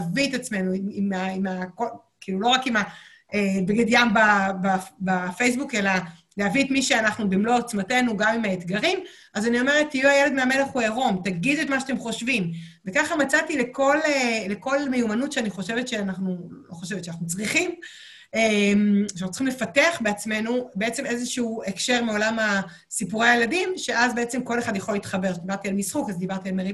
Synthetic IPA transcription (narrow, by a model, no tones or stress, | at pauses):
avit̪at͡sme̞nuimimaimako | kiːlulo̞ʁakima | ebeɡed̪jambababafejsbuke̞la | leaviet̪miʃeanaχnubimlo̞at͡smate̞nuɡamimhaet̪ɡaʁim | ʔazanio̞me̞ʁet̪ːijuajeled̪meame̞leχueʁo̞mt̪aɡidet̪maʃat̪e̞mχo̞ʃvimvekaχamat͡sat̪ileko̞leleko̞lmejumanutʃeaniχo̞ʃevet̪ʃe̞anaχnullo̞̰χo̞ʃevetʃeanaχnut͡sʁiχim | ematt͡sːχimlefateaχbeat͡sme̞nube̞et͡se̞mezeʃuuekʃe̞ʁmeo̞lama | sipuʁeajeladimʃe̞ʔazbeet͡semko̞leχad̪jeχo̞lit̪χabe̞ʁʃedibaʁt̪ialmisχukazd̪ibaʁt̪ialmeʁi